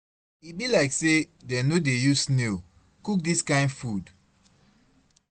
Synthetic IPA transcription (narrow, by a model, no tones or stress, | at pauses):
ibilaɪkse | dɛnodejusne | kuk̚diskãɪ̃ndfud